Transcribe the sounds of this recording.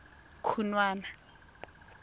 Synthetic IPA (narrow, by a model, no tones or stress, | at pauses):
kʰunwaːna